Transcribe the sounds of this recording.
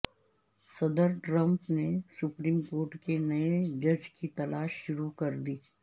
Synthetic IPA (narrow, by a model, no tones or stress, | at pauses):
sɐd̪əɾʈɾɐ̃mpnesʊpɾiːmkoːɾʈkenɐed͡ʒɐd͡ʒkit̪ɐlaːʃːʊɾukɐɾd̪iː